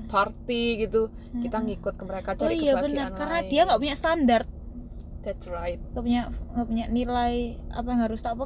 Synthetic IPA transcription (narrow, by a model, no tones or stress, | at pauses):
part̪iɡit̪u | kit̪aŋikʊt̪̚kəməɾekad͡ʒaoijabənərkaɾənadiaŋɡaʔpuɲaʔst̪andart̪̚ | d̪̥ɛt̪sraɪt̪̚ŋɡapuɲaʔŋɡaʔpuɲaʔnilaja̰paŋɡaɾust̪apa